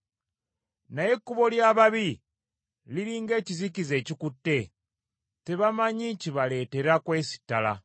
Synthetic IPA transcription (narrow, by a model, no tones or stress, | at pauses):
naje̞kːuβo̞ljaːβaβi | liɾiːŋɡe̞ːcizikize̞ːcikutːe̞ | te̞βamaɲiciβale̞ːte̞ɾakwe̞ːsi̥tːala̰